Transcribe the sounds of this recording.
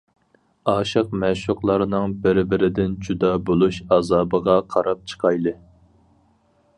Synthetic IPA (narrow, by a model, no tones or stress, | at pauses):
ɑːʃɨq̚mɛʃuqlˠɑɾnɨŋbɪɾbɪɾɪd̪ɪnd͡ʒud̪ɑbolˠuʃɑːzɑːbəʁɑqʰɑɾɑp̚t͡ʃʰə̥qʰɑjlˠɨ